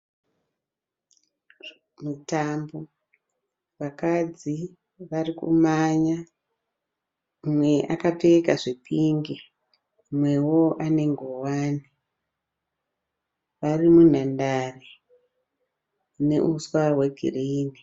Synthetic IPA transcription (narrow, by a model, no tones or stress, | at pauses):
mutambo | ʋakad͡zi | ʋarikṵmaɲa | umwe̞ʔakapekaʐepʰiŋɡe | mwe̞wo̞ʔane̞ŋɡowaːni | ʋarimun̤andare | ne̞̰ʔuswaweɡʱḭreiːni